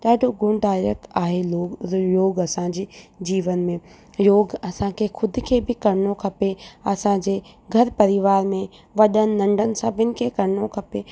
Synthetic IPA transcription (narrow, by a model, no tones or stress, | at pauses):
ɗaːɖʱoɡʊɳɖaːɪɾəkt̪aːɦeloːjoːɡɐsãd͡ʑeːd͡ʑiːʋənmẽ | joːɡɐsãkʰexʰʊd̪ʱkʰeːbʱɪkɐɾɪnokʰɐpeɐsãd͡ʑeː | ɡʱɐɾpɐɾɪʋaːɾmẽ | ʋɐɗənɪ̆nɐ̃ɳɖʱənɪ̆sabʱɪnɪ̆kʰekɐɾɪnokʰɐpe